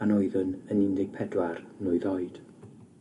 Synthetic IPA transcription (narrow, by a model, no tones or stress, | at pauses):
anɔɨðʊnənɪndɪɡ̥̚pʰɛdwarnʊɨðɔɨd̥